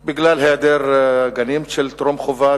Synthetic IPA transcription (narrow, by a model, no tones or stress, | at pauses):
biɡlalɦead̪eɾɡanimʃelt̪ɾomχova